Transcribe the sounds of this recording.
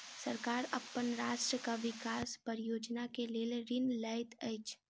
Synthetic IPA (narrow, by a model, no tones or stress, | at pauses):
sɐɾkaːɾɐpːənɾaːʃʈɾəkaʋɪkaːspəɾjoːd͡ʒnakeleːlɾɪnlaːɪt̪ʰeːt͡ʃ